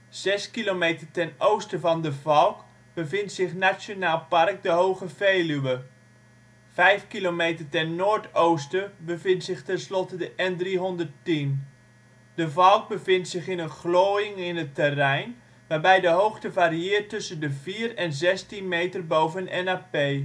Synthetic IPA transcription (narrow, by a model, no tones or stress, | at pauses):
z̥ɛskilomejtərtɛnowstəvɑndəvɑlˠk | b̥əvɪntsɪχnasjonaːlˠpɑrk̚dəɦowχəvejlyʋə | vɛjfkilomejtərtɛnːoːɹtowstəbəvɪntsɪχtɛnslɔtədəʔɛndriɦɔndərtin | dəvɑlˠk̚bəvɪntsɪχɪnənχloːjɪŋɪnətərɛjn | ʋaːɹbɛjdəɦowχtəvaːɾiɪːrtɵsəndəviːɾɛnzɛstinmejtərbowvənɛ̰naːpej